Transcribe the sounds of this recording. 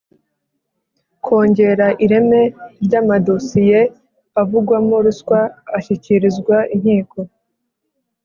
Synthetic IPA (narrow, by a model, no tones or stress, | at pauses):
kʰo̞ːɲɟe̞ɾaʔiɾe̞me̞ɾɟaːmadosije | avuɡwamoɾuskwaːʃiciɾizɡwaʔiɲ̥hiːko̞